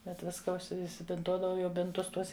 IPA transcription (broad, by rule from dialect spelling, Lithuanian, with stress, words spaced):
ˈbʲɛt ˈʋʲɪskɐ ʊʃʲsʲɪ ɪsʲɪbʲɪnˈtuɔdɐʋɐʊ ˈjɛʊ ˈbʲɪntʊs ˈtuɔs